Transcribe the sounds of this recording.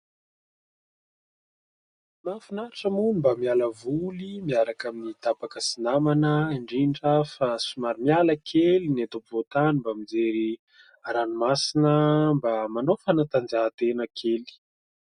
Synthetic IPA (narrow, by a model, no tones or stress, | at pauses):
mafunaʈ͡ʂəmunimbamialəvulimiaɾakaminid̪̥abakəsinamanəiɳɖ͡ʐiɳɖ͡ʐəfasumaɾimialəkʰelinet̪opivot̪animbamid͡zeɾi | aɾanumasinəmbamanofanat̪and͡zaːt̪enəkʰeli̥